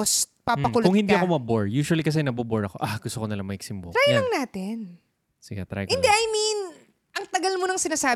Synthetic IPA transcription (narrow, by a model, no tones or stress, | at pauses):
spapɐkʊlkʊŋhɪnd̪iʔɐkomɐboɹjuːʃwɐlikɐs̬ɛnɐboboɹɐko̰ʔaɡ̥ʊst̪okonɐlɐŋmɐkɪɡ̥sɪmbo̰ɾajlɐŋnaːt̪ɪn | sɪɡɛt̪ɾa̰jɪnd̪ɛʔɐjmin | ʔɐŋt̪ɐɡɐlmo̞nɐŋsɪnaːsaː